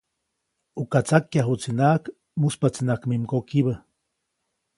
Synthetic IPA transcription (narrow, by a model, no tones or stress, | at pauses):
ukat͡sakjaɦut͡sinak | muspat͡sinakmimkokiβə